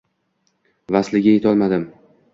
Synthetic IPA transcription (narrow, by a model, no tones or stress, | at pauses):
vaslɪɡʲajet̪ʰɒlˠmad̪ɪm